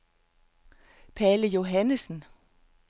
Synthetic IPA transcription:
pʰæləjo̝ɦænəsn̩

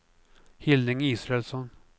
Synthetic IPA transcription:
hɪld̪ɪŋiːsɾɛɛlsɔn

